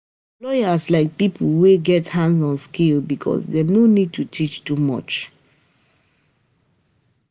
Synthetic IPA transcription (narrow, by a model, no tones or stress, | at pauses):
lɔɪjaslaɪk̚pipʰweɡɛthãndzɔ̃nskelbikʰɔ̰sdenonid̚tutʰit͡ʃtumɔ̰t͡ʃ